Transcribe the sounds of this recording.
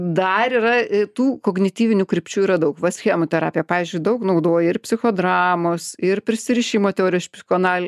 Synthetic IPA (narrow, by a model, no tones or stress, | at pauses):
d̪ɐɾiːrɐt̪uːkoːɡnʲɪt̪ʲiːʋʲɪnʲuːkɾʲɪpʲt͡ʃʲuːiːɾɐd̪ɐʊkʋɐsʲxʲeːmot̪ʲɛɾɑ̰ːpʲijɛpɑːʋʲiːzʲd͡ʒʲʊɪd̪ɐʊknɐʊd̪oːjɛɪrpʲsʲɪxoːd̪ɾɑːmoːsɪrpʲɾʲɪsʲɪɾʲɪʃʲiːmoːt̪ʲɛoːɾʲɪjoːsʲpʲsʲɪxoːnɑːlʲ